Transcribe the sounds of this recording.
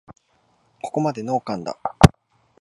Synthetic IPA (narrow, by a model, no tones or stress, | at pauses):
ko̞̥ko̞mad̪e̞no̞ːkãnd̪a̰